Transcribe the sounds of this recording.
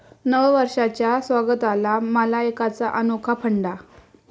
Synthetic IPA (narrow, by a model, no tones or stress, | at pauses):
nəʋʋəɾʂat͡ɕjasʋaɡət̪alaməlaekat͡saʔənokʰapʰəɳɖa